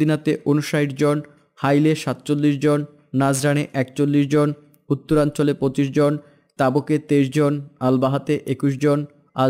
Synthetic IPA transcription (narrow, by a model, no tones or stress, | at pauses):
inat̪eʔonuʃaiʈd͡ʑon | hajleʃat̪t͡ɕolːiʃd͡ʑonː | ad͡ʑɾaneʔɛkt͡ɕolːiʃd͡ʑon | ut̪ːoɾant͡ɕolepɾot͡ɕiʃd͡ʑon | t̪aboket̪eʃd͡ʑonalbaɦat̪eʔekuʃd͡ʑon | a